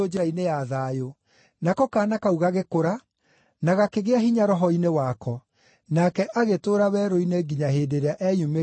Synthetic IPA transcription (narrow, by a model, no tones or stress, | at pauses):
od͡ʒeɾainejaðajo | nakɔkaːnakauɣaɣekoɾa | naɣakeɣeaɦiɲaɾɔɦɔinewakɔ | nakɛʔaɣetoɾawɛːɾoineɡiɲaɦedeɾeaʔɛjume